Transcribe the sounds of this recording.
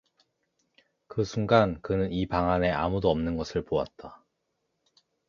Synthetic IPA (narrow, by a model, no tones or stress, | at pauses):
kɯsʰuŋɡankɯnɯnipaŋane̞a̰mudoʌmnɯnɡʌsʰɯɭpoa̰t̚t͈a